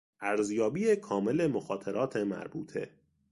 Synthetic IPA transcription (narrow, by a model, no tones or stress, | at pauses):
ʔæɾzjɒːbiːjekʰɒːme̞le̞moxɒːt̪ʰeɾɒːt̪ʰe̞mæ̰ɾbuːt̪ʰe̞̰